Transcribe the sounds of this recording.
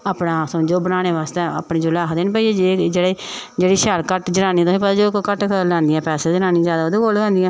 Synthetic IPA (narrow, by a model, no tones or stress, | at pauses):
aːpnãːsd͡ʒoːbənaːɽ̃eːʋaːst̪eə̰ːpniːd͡ʒoːlaːkʰd̪eːnp̬əiːd͡ʒed͡ʒeːɽeːd͡ʒeːɽiːʃɛːlkəʈd͡ʒəɾaːniːt̪ʊsiːp̬ət̪aːd͡ʒoːkkəʈklɛ̃ːnd̪ɪjãːpɛːseːd͡ʒənãːniːzjaːd̪aoːd̪eːkolɛ̃ːnd̪ɪjãː